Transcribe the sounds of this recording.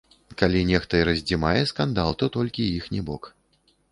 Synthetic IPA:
kalʲinʲɛxt̪ɐɛɾɐzʲd͡zʲimajɛskand̪alˠt̪ɔt̪ɔlʲkʲijixnʲɛbɔk

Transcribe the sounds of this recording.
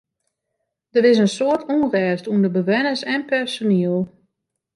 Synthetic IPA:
d̥əɾɪs̬ənsoətʰunrɛːstundəbəʋɛnəsɛnpɛrsoniəlˠ

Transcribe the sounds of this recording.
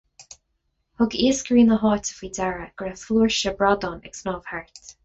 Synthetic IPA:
hʊɡiːəsɡɹiːnəɦɔːtə̥fiːd̪aɹəɡ̥ɹɛfluːɹʃəbɹad̪ɔːnɛ̰ksnɔːv̥haɹt̪

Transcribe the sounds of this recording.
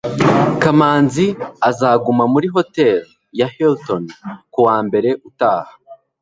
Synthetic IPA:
kamaːnziazaːɡumamuɾiɦo̞te̞l | jaheltonkuwaːmbe̞ɾe̞ʔutaːhḁ

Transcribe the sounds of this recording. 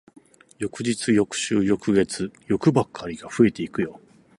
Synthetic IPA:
jo̞kɯ̟d͡ʑit͡sɨjo̞kɯ̟̥ɕɨːjo̞kɯ̟ɡe̞t͡sɨjo̞kɯ̟bakʰːaɾʲiɡaɸɯ̟e̞t̪e̞ikɯjo̞

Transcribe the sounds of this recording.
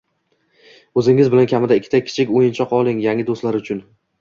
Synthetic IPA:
ɵzɪŋɪzbɪlankʲʰamɪd̪aɪkʰʲːɪ̥t̪ʰakʲʰɪ̥t͡ʃʰɪkʲojɪnt͡ʃʰɒqɒlˠɪŋjaŋʲɪd̪ost̪laɾʊt͡ʃʰʊn

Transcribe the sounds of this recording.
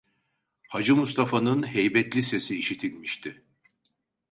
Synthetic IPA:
had͡ʒɯmust̪ʰafanɯnhɛjbɛt̪ʰlʲise̞siːʃit̪ʰilʲmiʃt̪ʰɪ

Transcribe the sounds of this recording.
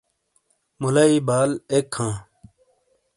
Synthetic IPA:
mulaiːbaːlekʰhãː

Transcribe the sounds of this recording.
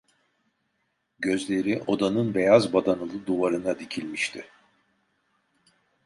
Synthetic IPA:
ɟø̞zlʲe̞ɾiʔo̞d̪anɯnbe̞jazbad̪anɯlˠɯd̪uvaɾɯnad̪icʰilʲmiʃt̪ʰɪ

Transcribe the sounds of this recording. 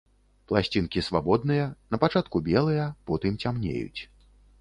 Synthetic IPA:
plˠasʲt͡sʲinkʲisvabɔd̪̚nɨjɐnɐpat͡ʂat̪̚kubʲɛlˠɨjɐpɔt̪ɨmt͡sʲamnʲḛjṵt͡sʲ

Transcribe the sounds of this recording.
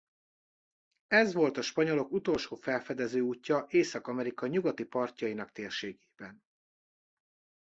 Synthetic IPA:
ɛzʋo̞lt̪ɒʃpɒɲo̞lo̞kut̪o̞lʃoːfɛlfɛd̪ɛzøːuːcːɒʔeːsɒkɒmɛɾikɒɲuɡɒt̪ipɒrcɒjinɒkt̪eːrʃeːɡe̥ːb̥ɛn

